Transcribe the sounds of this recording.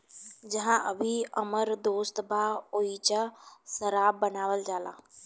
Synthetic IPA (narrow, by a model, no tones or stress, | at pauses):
d͡ʑɐɦãʔɐbʱiɐməɾd̪oːst̪bʱaoit͡ɕasɐɾaːbːɐnaːʋəld͡ʑaːlã̰ː